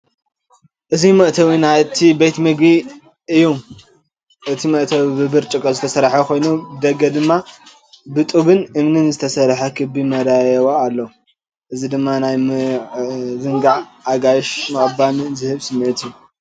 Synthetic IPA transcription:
ʔɨzimɐʔt̪ʰɐwinat̪ʰibet̪mɨɡi | ʔɨjːom | ʔɨt̪ʰimɐʔt̪ʰɐwibɨbɨɾt͡ʃʼɨkʼːɐzɨt̪ʰɐsɐɾħɐkʰo̞jnud̪ɐɡːɐd̪ɨmːa | bɨt̪ʼuβɨnɨmnɨnzɨt̪ʰɐsɐɾħɐkʰɨbimɐɾaajɐwoalːɐ | ʔɨzid̪ɨmːanaj | zɨŋɡaʕaɡajʃmɐʔʼbanzɨhɨβsɨmːet̪ʰiju

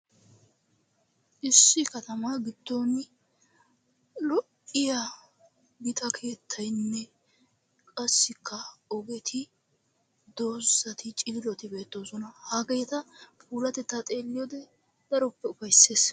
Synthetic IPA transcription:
ʔɪsːɪkɐt̪ɐmɐɡɪd̪̥ːon | lɔʔɪjɐ | ɡɪt̪ʼɐkʰe̞ːt̪ʰːɐjnːɛ | kʼɐsːɪkʰːɐɔɡɛt̪ʰɪ | d̪oːzɐt̪ʰɪt͡ʃʼɪːlɔt̪ɪbe̞ːt̪ːoːsɔnɐhaɡɐjɛt̪ɐpuːlɐt̪ɛt̪ːat̪ʼe̞ːlːɪjɔd̪ɛ | d̪̥ɐɾɔpːɛʊfɐjse̞ːs

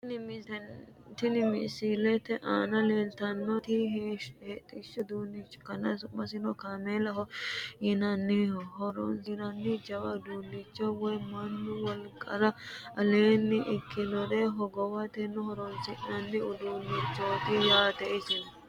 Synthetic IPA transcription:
t̪ɪnɪmɪsilɛt̪ːɛʔaːnɐleːlt̪ɐnːɔt̪ɪht̪ʼɪʃɔd̪uːnɪt͡ʃːkɐnɐsʊmːɐsɪnɔkamelɐɦɔjɪnɐnːɪɔɦɔɾɔ̰nsɪnɐnːɪd͡ʒɐwɐd̪uːlːɪt͡ʃːɔwɔjmɐnːʊwɔlkʼɐɾɐɐleːnːɪʔɪkːɪlɔɾɛɦɔɡɔwɐt̪ɛnːʊhɔɾɔnsɪʔnɐnːɪʊd̪uːlːɪt͡ʃːoːt̪ɪjaːt̪ɛʔɪsɪn

